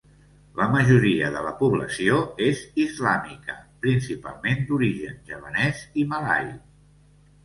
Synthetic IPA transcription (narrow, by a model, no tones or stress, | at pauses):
ləməʒuɾiəðələpuβləsioezizlamikəpɾinsipa̰lˠmend̪uɾiʒənʒəβənɛzimala̰j